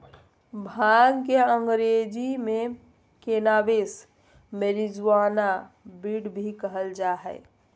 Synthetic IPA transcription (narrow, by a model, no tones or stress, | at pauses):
bʱaɡkeəŋɡɾed͡ʒime | kenabes | meɾid͡ʒuana | biɽbʱikəɦəld͡ʒaɦɛ̰ɪ